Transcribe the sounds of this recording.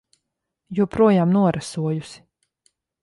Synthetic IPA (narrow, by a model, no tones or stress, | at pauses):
juɔpɾuɔjaːmnuɔɾʔasuɔjusi̥